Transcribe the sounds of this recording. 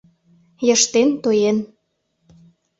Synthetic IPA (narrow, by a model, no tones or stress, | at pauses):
jɤʃt̪ent̪ojen